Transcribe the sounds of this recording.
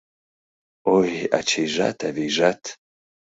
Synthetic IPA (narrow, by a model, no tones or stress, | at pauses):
oja̰t͡ʃʰejʒa̰tʰavejʒatʰ